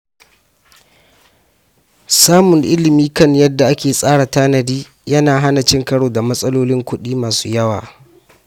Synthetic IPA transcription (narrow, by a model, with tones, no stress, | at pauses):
saː˦mʊ˨ŋʔɪ˦lɪ˨miː˦kɐ˦ɲjɐ˦dːa˨ʔa˦kʲeː˨sʼaː˦ɽa˨taː˦nɐ˨diː˦ | jɐ˦naː˨ɦa˦na˨t͡ʃɪ˦ŋkɐ˦ɽoː˨da˨mɐ˦sʼɐ˦loː˦lɪ˦ŋkʷʊ˦ɗiː˦maː˨su̥ː˦jɐ˦waː˨